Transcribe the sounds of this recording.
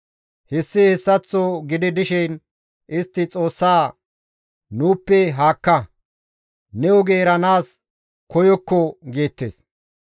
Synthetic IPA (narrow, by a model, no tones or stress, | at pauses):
hɛsːɪhɛsːɐt͡sːoɡɪd̪ɪd̪ɪʃɛn | ʔɪst̪ːɪt͡sʼo̞ːsːaː | nuːpːɛɦaːkːɐ | nɛʊɡe̞ːɾɐnaːs | kɔjɔkːɔɡeːt̪ːḛːs